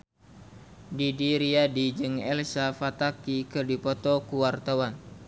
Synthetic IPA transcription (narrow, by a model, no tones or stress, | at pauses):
didiɾiadid͡ʒɨŋɛlsafat̪akikɨrdipɔt̪ɔkuwart̪awan